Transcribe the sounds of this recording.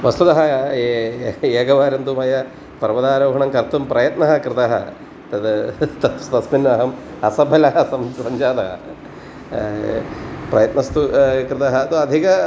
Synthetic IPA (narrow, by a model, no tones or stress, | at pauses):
ʋɐst̪ut̪ɐɦɐ | eːɡɐʋaːɾɐnd̪umɐjɐ | pɐɾʋɐd̪aːɾoːɦɐɳɐmkɐɾt̪umpɾɐjɐt̪nɐɦɐkɾɨt̪ɐɦɐ̰ | t̪ɐd̪t̪ɐst̪ɐsminːɐːɦɐm | ɐsɐbʱɐlɐɦɐsɐmsɐɲd͡ʒaːd̪ɐɦɐ̰ | pɾɐjɐt̪nɐst̪ukɾɨt̪ɐɦɐt̪uɐd̪ʱikɐ